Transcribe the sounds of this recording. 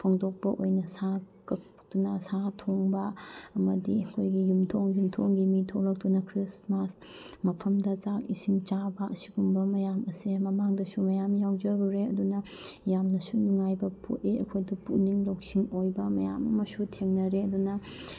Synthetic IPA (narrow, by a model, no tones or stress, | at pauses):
pʰoŋdok̚pɐʔojnɐsa | kɐk̚ | tunɐsatʰoŋbɐːmɐdiɐkʰojɡijumtʰoŋjumtʰoŋɡimitʰoklɐk̚tunɐkʰɾismas | mɐpʰɐmdɐt͡ʃakisimt͡ʃabɐʔɐsiɡumbɐmɐjamɐsemɐmaŋdɐsumɐjamjawd͡ʒɐɡɾeɐdunɐjamnɐsunuŋajbɐpʰo̰ʔeɐ̰kʰojdupuniŋlok̚siŋojbɐmɐja̰mɐmɐsutʰeŋnɐɾeɐdunɐ